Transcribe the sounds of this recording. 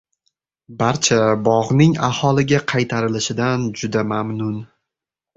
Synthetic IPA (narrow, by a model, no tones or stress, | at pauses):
baɾt͡ʃʰabɒʁnɪŋahɒlˠɪɡʲaqʰɑjt̪ʰaɾɪlɪʃɪd̪and͡ʒʊd̪amamnʊn